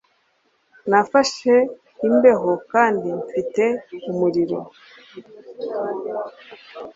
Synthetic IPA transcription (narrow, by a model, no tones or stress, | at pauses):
nafaʃe̞ | imbe̞ɦo̞kaːndimfite̞umuɾiɾo̞̰